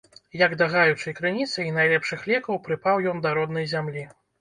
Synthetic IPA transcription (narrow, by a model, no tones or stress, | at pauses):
jɐɡd̪ɐɣajut͡ʂɐjkɾɨnʲit̪sɐinajlʲɛpʂɨxlʲɛkɐwpɾɨpawjɔnd̪ɐɾɔd̪nɐjzʲamlʲi